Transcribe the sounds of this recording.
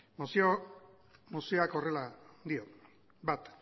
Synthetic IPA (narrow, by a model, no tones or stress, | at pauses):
mosio | mosioako̞re̞lad̪io | bat̪